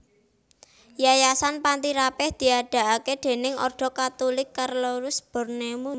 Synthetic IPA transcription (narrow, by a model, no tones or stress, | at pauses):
jajasanpant̪iɾapɛhd̪̥i̤aɖ̪̥a̤ʔaked̪̥e̤nɪŋɔ̰rɖ̪̥ɔ̤kat̪ulɪkːarloɾʊsb̥ɔ̤rnemu